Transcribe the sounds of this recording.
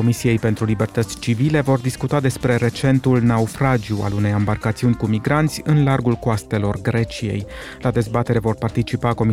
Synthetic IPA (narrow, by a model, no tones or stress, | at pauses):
o̞misije̞jpe̞nt̪ɾulibe̞rt̪ət̪sʲt͡ʃivile̞vo̞rd̪iskut̪ad̪e̞spɾe̞ɾe̞t͡ʃe̞nt̪ulnaufɾad͡ʒiua̰lune̞jambarkat̪siunʲkumiɡɾant̪sʲɨnlarɡulkoast̪e̞lo̞rɡɾe̞t͡ʃije̞̰j | lad̪e̞zbat̪e̞ɾe̞vo̞rpart̪it͡ʃipako̞mi